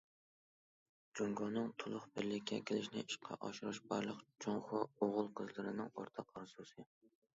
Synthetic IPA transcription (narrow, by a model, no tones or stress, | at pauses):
d͡ʒoŋɡɑnɨŋt̪ʰʊlˠʊχbɪɾlɪkʲʰːɛkʲʰelɪʃnɪiʃqʰɑ̰ʔɑʃuɾɨʃbɑ̰ɾlˠəqt͡ʃʰoŋχɑoʁʊlˠqʰəzlˠɨɾɨnɨŋoɾt̪ʰɑqɑɾsusɨ